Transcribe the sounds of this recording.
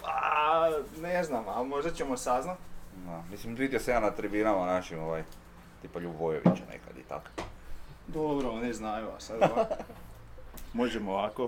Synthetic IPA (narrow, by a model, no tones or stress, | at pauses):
pa̰ | neznamalmo̞ʒd̪at͡ɕemosaznat̪d̪amislimt̪it̪ʲjesejaːnat̪ɾibinamanaʃimoʋaj | t̪ipaʎubʋojeʋḭt͡ʃanḛkad̪it̪a̰k | d̪obɾooniznajua̰sad̪a | moʒemoʋako